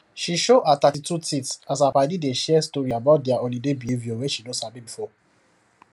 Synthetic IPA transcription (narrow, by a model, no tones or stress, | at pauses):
ʃiʃoʔat̪atitutitsas̬apaɪdideʃɛstɔɹiabaʊt̚dɛaʔõlidebiivjowɛʃidõsabĩbifɔ